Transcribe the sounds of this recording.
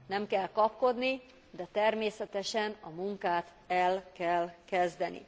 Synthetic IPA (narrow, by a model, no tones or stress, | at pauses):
nɛmkɛlkɒpko̞d̪ni | d̪ɛt̪ɛrmeːsɛt̪ɛʃɛnɒmuŋkaːt̪ | ɛlkɛlkɛzd̪ɛnḭ